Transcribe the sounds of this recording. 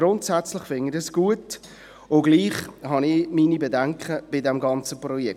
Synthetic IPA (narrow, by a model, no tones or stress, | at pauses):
ɾʊntsæt͡slɪχfɪnɪdəsɡ̥uət | oɡliːχhɑnɪminibedæŋkχəb̥ɪdɛmɡɑnt͡səprɔjɛ